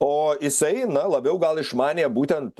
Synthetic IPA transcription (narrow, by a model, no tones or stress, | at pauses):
oːjɪsɐɪnɐlˠɐbʲɛʊɡɐlˠɪʃmɑːnʲeːbuːt̪ʲɛnt̪